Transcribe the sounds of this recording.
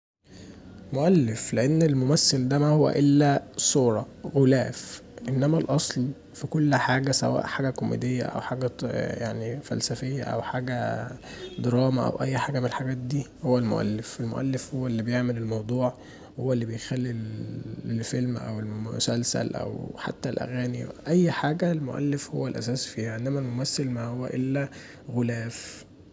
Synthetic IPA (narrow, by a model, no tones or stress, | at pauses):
moʔælːefleʔenːelmomæsːeld̪æmæhowːæ̰ʔelːæsˤuːɾˤɑ | ɣolæːfʔenːæmælʔɑsˤl | fikolːħaːɡæsæ̰wæ̰ːʔħaːɡækomḛd̪ejːæ̰ʔæ̰wħaːɡæjaʕnifæ̰lsæfejːæ̰ʔæ̰wħaːɡæ | d̪ɑɾˤɑːmæʔæ̰wʔæjːħaːɡæmenelħaɡæːt̪̚d̪iːhowːælmo̰ʔæ̰lːefelmo̰ʔæ̰lːefhowːælːibejeʕmelelmɑwd̪ˤuːʕ | howːælːibejxælːi | elfelmʔæ̰welmʊsælsæ̰lʔæ̰wħa̰t̪ːælʔæ̰ɣæːnḭʔæjːħaːɡælmoʔæ̰lːefho̰wːælʔæ̰sæːsfiːhæʕend̪æmælmomæθːelmæhowːæʔelːæ | ɣolæːf